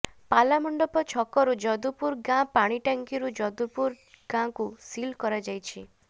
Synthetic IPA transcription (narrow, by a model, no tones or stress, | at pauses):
palamɔɳɖɔpɔt͡ʃʰɔkɔɾud͡ʒɔd̪upuɾɡãpaɽ̃iʈaŋkiɾud͡ʒɔd̪upuɾ | ɡ̥ãkusilkɔɾad͡ʒajt͡ʃʰi